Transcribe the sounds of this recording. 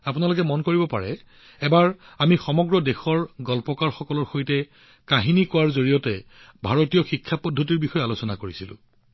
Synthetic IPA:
apunalʊkɛmɔnkoɹibɔpa̰ɹɛ̰ | ɛbaɹ | amixɔmɔɡɹɔdexɔɹɡɔlpɔkaɹxɔkɔlɔɹxojtɛ | kaɦinikɔwaɹzoɹijɔtɛ | bʱaɹotijɔxikʰːapɔdʱːotiɹbixɔjalosɔnakoɹisilʊ̰̃

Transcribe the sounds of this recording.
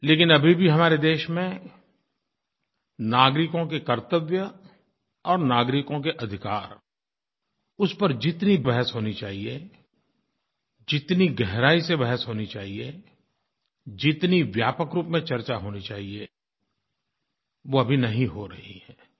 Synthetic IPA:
leːkɪnɐbʱibʱiɦɐmaːɾed̪eːʃmẽ | naːɡɾɪkõkekɐɾt̪əʋjə | ɔːɾnaːɡɾɪkõkeʔɐd̪ʱɪkaːɾ | ʊspəɾd͡ʒɪt̪nibɛɦəsɦoːnit͡ʃaːɦie | d͡ʒɪt̪niɡɛɦɾaːisebɛɦəsɦoːnit͡ʃaːɦie | d͡ʒɪt̪niʋjaːpəkɾuːpmẽt͡ʃɐɾt͡ʃaɦoːnit͡ʃaːɦie | ʋoɐbʱinɐɦĩɦoɾɐɦiɦɛː

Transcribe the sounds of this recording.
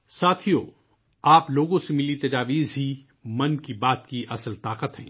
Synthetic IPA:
saːt̪ʰijoː | aːploːɡõsemɪlit̪ɐd͡ʒaːʋiːzɦi | mɐnkibaːt̪kiʔɐsəlt̪aːqət̪ɦɛ̰̃ː

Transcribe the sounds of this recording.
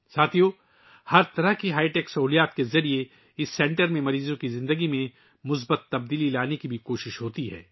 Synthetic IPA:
saːt̪ʰijoː | hɐɾt̪ɐɾəɦkiɦaːɪʈɛːksɐɦuːlijaːt̪kezɐɾie | ɪsːɛ̃ːɳʈəɾmẽmɐɾiːzõkizɪ̃nd̪əɡimẽ | mʊs̬bət̪ːɐb̚d̪iːlilaːnekibʱikoːʃɪʃɦoːt̪iɦɛ̰ː

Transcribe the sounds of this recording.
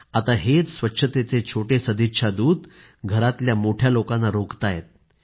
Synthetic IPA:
at̪aɦet͡ssʋətːɕʰət̪et͡set͡ɕʰoʈesəd̪ʱitʂʰad̪uːd̪ | ɡʱəɾat̪ljamoʈʰjalokãnːaɾokt̪ajet̪̚

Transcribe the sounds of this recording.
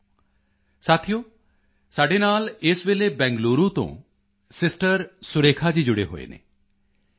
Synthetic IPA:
saːt̪ʰijoː | saːɖeːnaːleːsʋeːlebɛ̃ːŋɡloːɾũt̪õ̰ː | sɪsʈəɾsʊɾeːkʰad͡ʒiːd͡ʒʊɽḛɦo̰ːḛːnḛː

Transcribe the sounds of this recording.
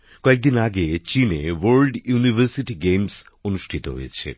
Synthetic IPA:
koek̚d̪inaɡet͡ɕinewoɾlɖjunivʱəɾsiʈiɡems | onuʃʈʰit̪o̰ɦo̰jet͡ɕʰḛ

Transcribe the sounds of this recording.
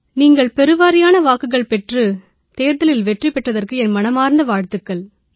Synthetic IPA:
niːŋɡɐɭpɛɾɯʋaːɾɪjaːnɐʋaːkːɯɣɐɭpɛʈrɯ | t̪eːɾðɐlɪlʋɛʈripɛʈrɐðɐrkɯɛnmɐnɐmaːɾnd̪ɐʋaːɻt̪ɯkːɐɭ

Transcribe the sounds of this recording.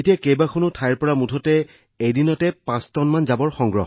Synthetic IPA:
etijakejbakʰɔnʊtʰajɹpɔɹamudʰʱɔtɛ | ejdinɔtɛpãstɔnmanzabɔɹxɔŋɡɹɔɦɔ

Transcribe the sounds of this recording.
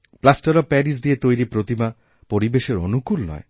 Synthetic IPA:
plasʈoɾɔpɛɾis̬d̪iet̪ojɾipɾot̪ima | poɾibeʃeɾonukulnɔ̰e

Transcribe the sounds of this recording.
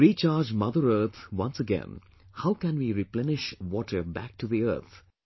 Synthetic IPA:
ɾit͡ʃaːɾd͡ʒmʌd̪əɾəːt̪ʰʋʌ̃nsəɡɛ̰̃n | haʊkæ̃nʋiɾiplɛnɪʃʋɔːʈʰə˞bæk̚ʈuðiə̰ːt̪ʰ

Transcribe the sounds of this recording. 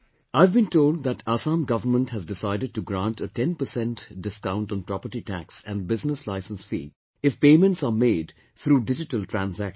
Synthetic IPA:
aɪvbĩntoːlɖ̚ðæʈʰasãːmɡʌʋəɾmə̃nʈhæzdɪsaɪdəɖ̚ʈuɡɾãnʈəʈɛ̃npəsɛ̃nʈɖɪskãʊ̃nʈɔ̃n̩pɾɔpəɾʈiʈæksæ̃nbɪznəslaɪsə̃nsfḭː | ɪfpeːmə̃nʈsaːmeːɖ | t̪ʰɾuːɖɪd͡ʒɪʈəlʈʰɾæ̃nzæk

